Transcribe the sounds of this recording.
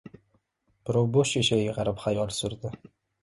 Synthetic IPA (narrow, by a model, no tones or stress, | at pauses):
b̥ɪɾɒwboʃeʃajɪʁɑɾɪpχajɒlˠsʊɾd̪ɪ